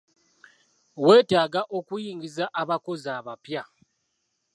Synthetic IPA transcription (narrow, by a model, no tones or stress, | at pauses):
we̞ːtaːɡaʔo̞kujiːŋɡizaʔaβako̞zaːβapja